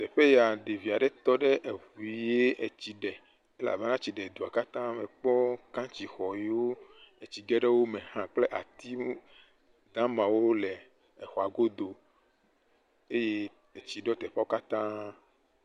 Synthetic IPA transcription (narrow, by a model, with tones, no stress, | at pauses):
t̪ɛ˨ɸe˦ja˨ɖe˨vi˨a˨ɖɛ˦t̪ɔ˦ɖe˦ʔe˨vu˨i˨je˦ʔe˨t͡ɕi˨ɖɛ˨ | e˦la̰˨ve˦nã˦t͡ɕi˨ɖɛ˨d̪u˨a˨ka˦t̪ã˦mɛ̃˨k͡pɔ˦kã˦t͡ɕi˨xɔ˨ji˦wo˦e˨t͡ɕi˨ɡɛ˦ɖe˦wo˦mẽ˨hã˨k͡ple˦ʔa̰˨t̪i˦ | d̪̥ã˦mã˨wo˦le˨ | ɛ˨xɔ˨a˨ɡo˦d̪o˨ | e˦je˦ | e˨t͡ɕi˨ɖɔ˦t̪ɛ˨ɸa˦wo˦ka˦t̪ã˦